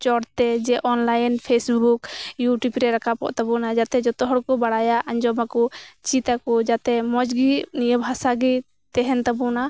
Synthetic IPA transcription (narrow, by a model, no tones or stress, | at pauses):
t͡ʃɔɾt̪ɛd͡ʒɛʔɔnlajnpʰesbukjuʈjupɾɛɾakapɔ̰ʔt̪abunad͡ʒat̪ɛd͡ʒɔt̪ɔɦɔɽkɔbaɽajaʔaɲd͡ʒɔmakɔt͡ʃit̪akɔd͡ʒat̪ɛmɔd͡ʒɡinijəbʱasaɡi | t̪ɛɦɛnt̪abuna